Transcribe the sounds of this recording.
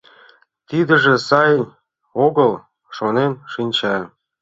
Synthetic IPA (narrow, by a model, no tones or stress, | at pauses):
t̪id̪ə̆ʒĕsɑjn | oɣəl | ʃonenʃinʲt͡ɕɑ